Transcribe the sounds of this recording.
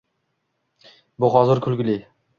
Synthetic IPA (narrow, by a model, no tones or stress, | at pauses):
bʊχɒzɪɾkʲʰʊlˠɡʲɪlɪ